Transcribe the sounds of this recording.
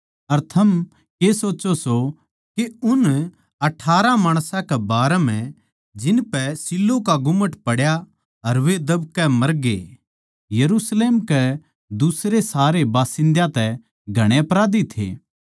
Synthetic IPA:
ɐɾt̪ʰɐm | kesoːt͡ʃoso | keʊn | ɐʈʰːaːɾãmaːɽ̃sãkɛbaːɾɛmɛ̃ | d͡ʒɪnpɛsɪlːokaɡʊməʈpɐɽja | ɐɾʋed̪ɐbkɛmɐɾɡḛː | jɐɾuːsleːmkɛ | d̪usɾesaːɾebaːsɪ̃nd̪jãt̪ɛ | ɡʱɐɽ̃eɐpɾaːd̪it̪ʰḛː

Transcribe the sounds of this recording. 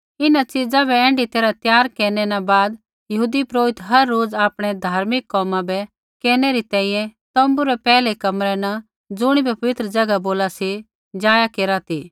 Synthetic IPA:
ɪnat͡ʃɪd͡zabɛɛ̃ːɳɖit̪eːɾat̪jaːɾkɛːnɛnabaːd̪ | jɐɦuːd̪ipɾoːɪt̪ɦɐɾːoːd͡zaːpɽ̃ɛd̪ʱaːɾmɪkːɔːmãbɛ | kɛːñɛɾit̪ɛ̃ːĩjɛ̃t̪ɐ̃mbuɾɛpɛːlekɐmɾɛnɐ | d͡zʊɽ̃ibɛpɐʋɪt̪ɾəd͡ʒɐɡaboːlasi | d͡ʒaːjakeːɾat̪ʰiː

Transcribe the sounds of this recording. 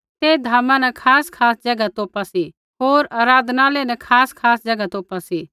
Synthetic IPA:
t̪eːd̪ʱaːmãnɐ̃kʰaːskʰaːsd͡ʒɐɡat̪oːpasi | ɦoːɾaːɾaːd̪naːlenɛkʰaːskʰaːsd͡ʒɐɡat̪oːpasi

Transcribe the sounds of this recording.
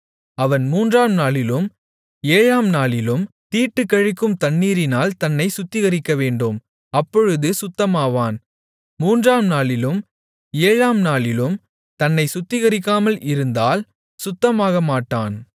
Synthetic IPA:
ɐʋɐnmuːndraːmnaːlɪlɯm | eːɻaːmnaːɭɪlɯm | t̪iːʈːɯkːɐɻɪkːɯmt̪ɐɳːiːɾɪnaːlt̪ɐnːɐɪsʊt̪ːɪɣɐɾɪkːɐʋeːɳɖɯm | ɐpːɔɻɯðɯsʊt̪ːɐmaːʋaːn | muːndraːmnaːɭɪlɯm | eːɻaːmnaːɭɪlɯm | t̪ɐnːɐɪsʊt̪ːɪɣɐɾɪkːaːmɐlʔɪɾɯnd̪aːl | sʊt̪ːɐmaːɣɐmaːʈːaːn

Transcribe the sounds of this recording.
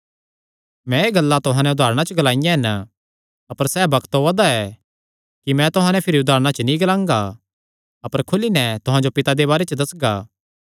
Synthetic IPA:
mɛ̃eːɡɐlːat̪ʊɦãːnɛ̃ʊd̪ʱaːɾɽ̃at͡ʃəɡɐlaːɪjãɦɪn | ɐpəɾsɛːbɐkt̪ɦoɐd̪aɛ | kimɛ̃t̪ʊɦãnɛpʰɪɾiʊd̪ʱaːɾɽ̃at͡ʃənĩɡɐlãːŋɡa | ɐpəɾkʰʊlinɛ̃t̪ʊɦãːd͡ʒopɪt̪ad̪ebaːɾet͡ʃəd̪ɐsɡaː

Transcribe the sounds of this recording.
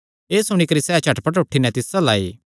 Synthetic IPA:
eːsʊɽ̃ikɐɾisɛːt͡ʃʰɐʈpɐʈ̬oːʈʰːinɛ̃t̪ɪsala̰ːḭː

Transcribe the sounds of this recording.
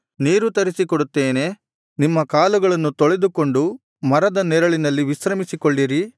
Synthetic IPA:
niːɾut̪ɐɾisikɔɽut̪ːeːne̞ | nimːɐkaːluɡɐɭɐnːut̪ɔɭed̪uko̞ɳɖu | mɐɾɐd̪ɐnɛɾɐɭinɐlːiʋisɾɐmisikoɭːiɾi

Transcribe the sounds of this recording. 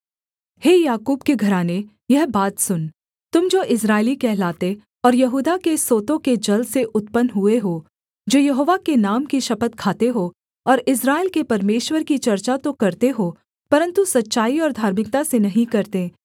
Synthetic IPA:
heːjaːkuːbkeɡʱɐɾaːne | jɐɦbaːt̪sʊn | t̪ʊmd͡ʒoːʔɪs̬ɾaːɪlikɛɦlaːt̪e | ɔːɾjɐɦuːd̪akesoːt̪õked͡ʒɐlseʔʊt̪pənɦueɦoː | d͡ʒoːjɐɦoːʋakenaːmkiʃɐpət̪̚kʰaːt̪eɦo | pɔːɾɪsɾaːɪlkepɐɾmeːʃwəɾkit͡ʃɐɾt͡ʃat̪okɐɾt̪eɦo | pɐɾə̃nt̪usɐtːʃaːiɔːɾd̪ʱaːɾmɪk̚t̪asenɐɦĩkɐɾt̪eː

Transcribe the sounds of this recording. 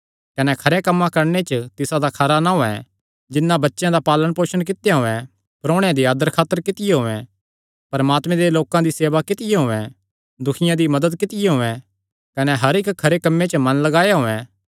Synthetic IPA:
kɐnɛkʰɐɾekɐmːãkɐɾnet͡ʃət̪ɪsãd̪akʰɐɾanaɦoɛ̰ | d͡ʒɪnːãbɐtːʃjãd̪apaːlənpoːʃəñk̬ɪt̪jaɦoːɛ̃ | pɾõːɽ̃jãd̪iaːd̪əɾkʰaːt̪ːəɾkɪt̪ɪjeɦoːɛ̃ | pɐɾmaːt̪mɛ̃d̪eloːkãd̪iseːʋakɪt̪ɪjeɦoːɛ̃ | d̪ʊkʰɪjãd̪imɐd̪əd̪kɪt̪ɪjeɦoːɛ̃ | kɐnɛɦɐɾɪkʰːɐɾekɐmːẽt͡ʃəmɐ̃nlɐɡaːjaɦoːɛ̃ː

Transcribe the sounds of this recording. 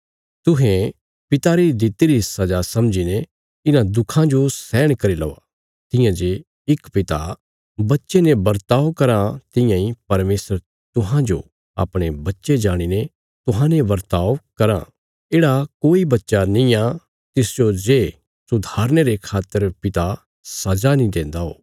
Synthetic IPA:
t̪ʊɦẽ | pɪt̪aɾid̪ɪt̪iɾiɦɪsːad͡ʒasɐmd͡ʒine | ɪnãd̪ʊkʰãd͡ʒosɛːɽ̃kɐɾilɔ̰ːʋa̰ | t̪ɪ̃jãd͡ʒe | ɪkpɪt̪a | bɐtːʃenebɐɾt̪aːʋkɐɾãt̪ɪ̃jãːĩpɐɾmeːsəɾ | t̪ʊɦãd͡ʒo̰ | a̰ːpɽ̃ebɐtːʃed͡ʒaːɽ̃ine | t̪ʊɦãnẽbɐɾt̪aːʋkɐɾã̰ | eːɽakoːibɐtːʃanĩa | t̪ɪsd͡ʒod͡ʒeː | sʊd̪ʱaːɾñeɾekʰaːt̪ːəɾpɪt̪a | sɐd͡ʒanĩd̪ẽːnd̪aɦo̰ː

